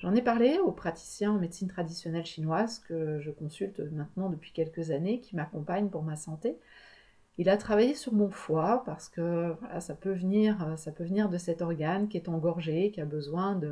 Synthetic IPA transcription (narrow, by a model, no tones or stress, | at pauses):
ʒɑ̃nɛpaʁleopχat̪i̥sjɛ̃ɑ̃med̪sint̪χad̪isjɔnɛlʃinwazkəʒəkɔ̃sylt̪mɛ̃t̪nɑ̃d̪əpɥi̥kʲɛlkəzanekʲʰimakɔ̃paɲpuʁmasɑ̃t̪e | ilat̪χavajesyʁmɔ̃fwapaʁsə̥kəvwa̰la̰sapøvəniʁøsapøvəniʁd̪əsɛt̪ɔʁɡankʲiɛt̪ɑ̃ɡɔʁʒekʲiabəzwɛ̃d̪ə